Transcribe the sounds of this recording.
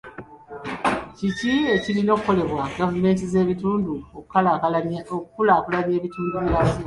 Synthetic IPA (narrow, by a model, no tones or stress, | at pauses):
cicie̞cilino̞ːkuko̞le̞βwaɡavume̞ːnt̬ize̞ːβituːnduokukːalaokukulaːkulaβje̞ːβituːnduβilazi